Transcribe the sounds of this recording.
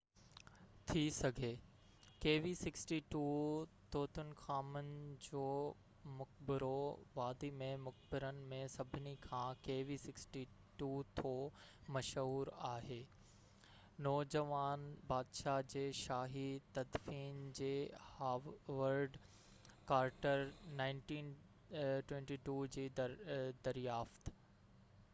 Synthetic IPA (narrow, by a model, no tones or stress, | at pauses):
t̪ʰisɐɡʱeː | keːʋisɪksʈiʈuːt̪ʰoːt̪ʰʊnɪ̆xaːmənɪ̆d͡ʑoː | mʊk̚bɪɾoʋaːd̪imẽmʊk̚bɪɾənɪ̆mẽsɐbʱɪnikʰãːkeːʋisɪksʈi | ʈuːt̪ʰoːmɐʃɦuːɾaːɦeː | nɔːd͡ʑɐʋaːnbaːd̪ʃad͡ʑeːʃaːɦit̪ɐd̪fiːnd͡ʑeːhaːʋəɾɖ | kaːɾʈəɾnãːɪ̃nʈiːn | ʈwɛ̃ɳʈiʈuːd͡ʑiːd̪ɐɾijaːft̪